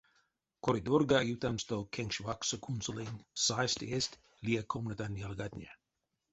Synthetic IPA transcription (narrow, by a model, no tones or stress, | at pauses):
kʰoɾid̪orɡajut̪amst̪okʰeŋʃvaksokʰunsolinsajst̪est̪ | liekʰomnət̪anjalɡad̪nʲḛ